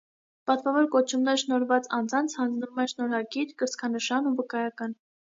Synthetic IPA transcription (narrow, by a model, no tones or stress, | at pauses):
pɑt̪vɑvɔɾkɔt͡ʃʰumnɛɾəʃnɔɾvɑt͡sɑnd͡zɑnt͡sʰhɑnd͡znumɛʃnɔɾɑɡiɾkəɾskʰɑnəʃɑnuvəkɑjɑkɑn